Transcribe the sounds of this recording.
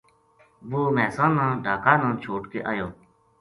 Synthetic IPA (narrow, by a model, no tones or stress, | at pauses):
ʋoːmɛːsãːnãːɖʱaːkaːnãːt͡ʃʰoːʈkḛːʔaːjoː